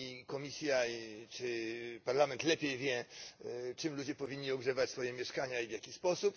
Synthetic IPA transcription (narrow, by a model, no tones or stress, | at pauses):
ikɔmʲisʲjait͡ʂɘpaɾlamɛnt̪lɛpʲjejvʲjɛ | t͡ʂɘmlud͡ʑɛpɔvʲiɲːiɔɡʐɛvat͡ɕsfɔjɛmʲjɛʂkaɲaivʲjakʲispɔsup